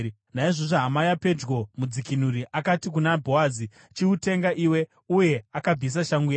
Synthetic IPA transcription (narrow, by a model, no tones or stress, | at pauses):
naiʐoʐoɦamajape̞d͡ʒɡo̞mud͡zikinuɾiʔakatik̬unabʱo̞azi | t͡ʃiute̞ŋɡaʔiwe̞ | uje̞akab͡vis̬aʃaŋɡuja